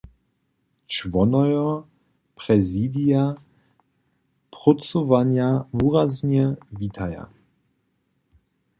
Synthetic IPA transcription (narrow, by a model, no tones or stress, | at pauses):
t͡ʃvɔnɔjɔ | pʁɛziːd̪ija | pʁɔt͡sɔvaɲjavuʁazɲɛvit̪ʰaja̰